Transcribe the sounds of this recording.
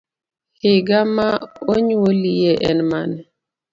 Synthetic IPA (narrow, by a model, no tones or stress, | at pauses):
hɪɡamaoɲuolijeʔɛnmanɛ